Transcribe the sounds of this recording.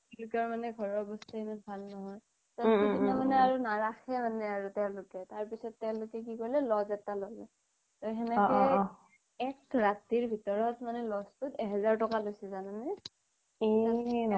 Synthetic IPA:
lʊkɔɹmanɛɡʱɔɹɔɹbɔstaimanbʰʱalːɔɦɔj | tainamanɛaɹunaɹaxɛmanɛaɹutɛʊ̃lʊkɛtaɹpisɔtːɛʊ̃lʊkɛk̬ikɔɹilɛlɔzɛtalɔlɛ | tɔɦɛnɛk | ɛk̚ɹatiɹbʱitɔɹɔtmanɛlɔstʊtɛɦɛzaɹtɔkalojsɛzananɛ | ea

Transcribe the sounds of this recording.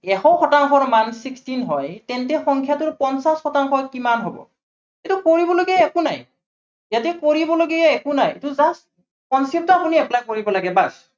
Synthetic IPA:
ɛxɔxɔtaŋxʰɔɹmansikstinɦɔjtɛntɛxɔŋkʰjatʊɹpɔnsasxɔtaŋxʰɔɹkimanɦobɔ̰ | itukoɹibɔloɡiaɛkʊna̰j | jatɛkoɹibɔloɡiaɛkʊnajtuzas | kɔnsɛp̚tɔapuniɛplajkoɹibɔlaɡɛbas

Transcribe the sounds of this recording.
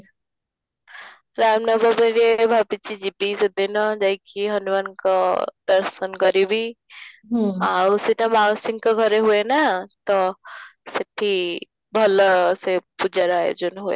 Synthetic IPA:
ɾamnəbəbeɾebʱapit͡ʃid͡ʒipised̪enɔd͡ʒajkiɦʌnuʋankɔd̪əɾsənkəɾibi | ausiʈamawsiŋkʌɡʱəɾeɦuenat̪ɔseʈʰi | bʱʌlsepud͡ʒaɾaɦḛd͡ʒunɦuḛ

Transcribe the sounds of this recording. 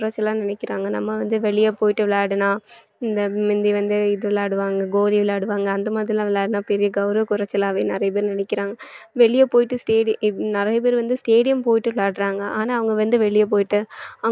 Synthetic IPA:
ɾɐt͡ʃːɛlãːnɪnɛkːɪɾaːŋɡɐnɐmːɐʋɐnd̪ɯʋɛɭɪjɐːpoːjɪʈːɯʋɪɭaːɽɯnãː | ɪnd̪ɐɪnd̪iʋɐnd̪ɯɪðɯʋɪlaːɽɯʋaːŋɡɐɡoːðiʋɪlaːɽɯʋaːŋɡɐːnd̪ɐmaːðɾɪlãːʋɪlaːɽɯnãːpɛɾɪjɐɡɐʊɾɐʋkʊɾɐt͡ʃːɛlãːʋeːnɪɾɐjɐp̬eːɾnɪnɛkːɪɾaːŋɡɐʋɛɭɪjɐpoːjɪʈːɯsʈeːɽɪnɪɾɐjɐp̬eːɾʋɐnd̪ɯsʈeːɽɪjɐmpoːjɪʈːɯʋɪɭaːɽɾaːŋɡɐʔaːnaːɐʋɐŋɡɐʋɐnd̪ɯʋɛɭɪjɐp̬oːjɪʈːɯɐ

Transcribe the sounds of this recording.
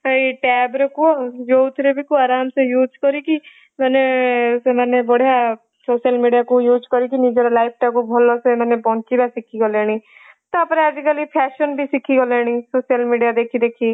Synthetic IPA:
iʈɛːbɾekojoːt̪ʰɾebikoaːɾaːmsẽjuːd͡ʒkəɾiːki | mɛːneemɛːnebəɽ̤ja | soːʃəlmiːɖijaːkõjuːd͡ʒkəɾiːkiniːd͡ʒəɾlaːip̚ʈɛːkobʱolːoːsemɛːnepɔ̃ːnt͡ʃiːbɛsɪkʰːiɡoleːɽ̃iː | t̪opəɾɛːzikəlipʰɛːʃənbʱiːsɪkʰːiːɡoleːɽ̃iːsoːʃijəlmiːɖijaːd̪eːkʰiːd̪eːkʰiː

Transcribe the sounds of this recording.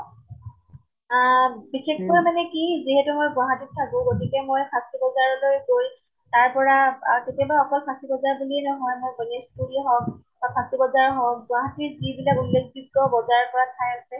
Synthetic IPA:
bixekʰpɔɹamanɛkiziɦɛtumojbwaɦatitʰakʊ̃ɡotikɛmojkʰastibɔzaɹɔlojɡoj | taɹpɔɹaketiabaɔkɔlkʰãstibɔzaɹbuliɛnɔɦɔjmojbɔneskulɦɔk̚ | bakʰãstibɔzaɹɦɔk̚bwaɦatiɹzibilakulːekdib̚tɔbɔzaɹpɔɹatʰajasɛ

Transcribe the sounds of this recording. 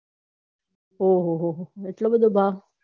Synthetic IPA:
ɦoːɦoɦoɦoɪʈlobəd̪ʱobʱaː

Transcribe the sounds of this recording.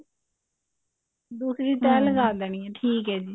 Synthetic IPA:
d̪uːsɾiːt̪ɛːləɡaːd̪əːñiːɛ̃ːʈʰiːkɦɛːd͡ʒiː

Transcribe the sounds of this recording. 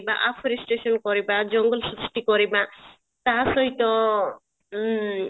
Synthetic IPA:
ba̰ʔapʰɔɾisʈesɔnkɔɾibad͡ʒɔŋɡɔlsisʈikɔɾiba | t̪asɔɦit̪ɔ

